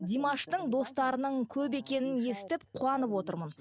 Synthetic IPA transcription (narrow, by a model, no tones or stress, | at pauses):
d̪ʲijmɑʃt̪əɴd̪o̞st̪ɑɾənəɴkʲʰɵpe̞kʲe̞nɪnje̞sɪ̥t̪ɪp̚qʰuɑnəpwo̞t̪əɾmən